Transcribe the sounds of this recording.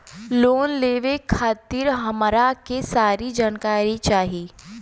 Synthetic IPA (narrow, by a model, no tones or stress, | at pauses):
loːnleːʋekʰaːt̪iɾɦɐmɾakesaːɾid͡ʒaːnkaːɾit͡ʃaːɦiː